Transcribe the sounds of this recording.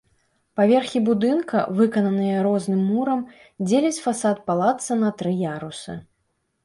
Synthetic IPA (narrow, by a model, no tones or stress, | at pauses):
pavʲɛrxʲibud̪ɨnkɐvɨkɐnɐnɨjɐɾɔznɨmːuɾɐm | d͡zʲelʲɛt͡sʲfasat̪̚palˠat̪sɐnɐt̪ɾɨjaɾusɨ̰